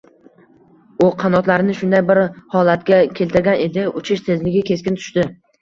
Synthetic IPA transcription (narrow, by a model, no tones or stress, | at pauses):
ʊqʰɑnɒt̪laɾɪnɪʃʊnd̪ajbɪɾhɒlat̪ɡʲakʲʰe̞lt̪ɪɾɡʲane̞d̪ɪʊt͡ʃʰɪʃt̪ʰezlɪɡʲɪkʲʰe̞skʲɪnt̪ʰʊ̥ʃt̪ɪ